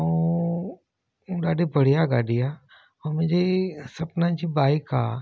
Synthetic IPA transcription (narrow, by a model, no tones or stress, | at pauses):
ũ | ɗaːɖibəɽ̤ijaɡaːɖija | omẽd͡ʒesɐpnãt͡ʃibaːɪkaː